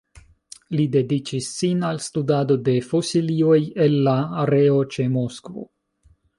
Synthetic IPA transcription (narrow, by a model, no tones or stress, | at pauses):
lide̞dit͡ʃisːinalstudado̞de̞fosilio̞je̞lːaːɾeot͡ʃe̞mo̞skvo̰